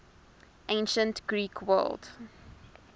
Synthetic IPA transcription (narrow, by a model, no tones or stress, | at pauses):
ʔẽɪnʃə̃ntɡ̥ɹiːkʰwɜ̰ld